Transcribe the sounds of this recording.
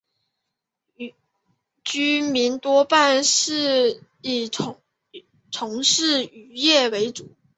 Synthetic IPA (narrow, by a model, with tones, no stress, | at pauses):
t͡ɕy˥mi˧˥nt̪wɔ˥pa˥˧nʂɻ̩˥˩ | i˨˩ | t͡sʰʊ˧˥ŋʂɻ̩˥˩y˧˥jɛ˥˩we˧˥ɪt͡su˨˩˦